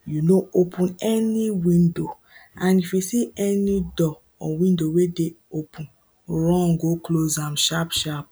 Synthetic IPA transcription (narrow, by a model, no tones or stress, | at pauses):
junoopʰũnɛniwĩndo | ãnifisiɛnidɔ | ɔwĩndowedeopʰũn | ɹɔ̃ŋɡoklozãmʃapʃap̚